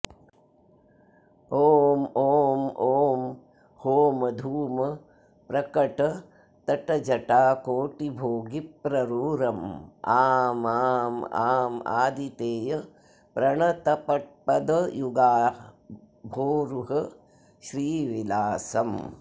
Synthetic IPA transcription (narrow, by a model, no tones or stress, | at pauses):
oːmoːmoːm | hoːmɐd̪ʱuːmɐ | pɾɐkɐʈɐ | t̪ɐʈɐd͡ʒɐʈaːkoːʈibʱoːɡipɾɐɾuːɾɐmaːmaːma̰ːma̰ːd̪it̪eːjɐ | pɾɐɳɐt̪ɐpɐʈ̚pɐd̪ɐjuɡaː | bʱoːɾuɦɐ | ʃɾiːʋilaːsɐm